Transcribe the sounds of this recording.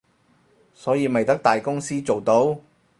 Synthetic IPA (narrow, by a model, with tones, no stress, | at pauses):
sɔː˨˥jiː˨˧mɐ˨jt̪ɐ˥k̚t̪aː˨jkʊ˥ŋsiː˥t͡so˨wt̪o˨˥w